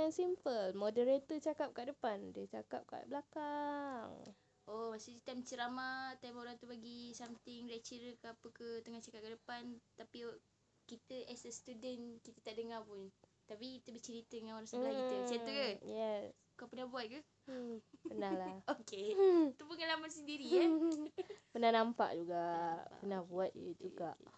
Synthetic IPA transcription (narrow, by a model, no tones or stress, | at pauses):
ansimpəlmodəɾet̪ɔt͡ʃakap̚kaʔdəpandət͡ʃakap̚ka̰ʔbəlakaŋ | ʔomasiit̪amt͡ʃəɾamat̪amoɾaŋt̪ubaɡisamt̪ɪŋɾɛʔ̚t͡ʃiɾəkəapəkət̪əŋaht͡ʃakap̚kədəpant̪api | kit̪əʔɛsɛst̪udənkit̪ət̪aʔdəŋapʊnt̪apikit̪əbət͡ʃəɾit̪ədəŋanoɾaŋsəlakit̪əsat̪ukəjɛs | ukapənahbuat̪̚kə | pənahlahoket̪upəŋalamansəndiɾia | pənanampa̰ʔd͡ʒuɡapənahbuat̪̚d͡ʒuɡaʔ